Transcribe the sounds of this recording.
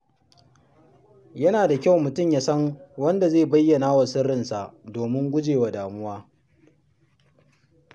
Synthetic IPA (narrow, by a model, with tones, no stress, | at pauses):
jɐ˦naː˨da˨kʲa˦˨wmʊ˨tʊ˦˨mjaː˦sɐ˦ŋwɐ˦nda˨zeː˦˨bɐ˦jːɐ˨naː˦wa˨sɪ˦ɽɪ˨nsa˨ʔdoː˨mɪ˦ŋɡʷʊ˦d͡ʒeː˨wa˨daː˨mʊ˦waː˦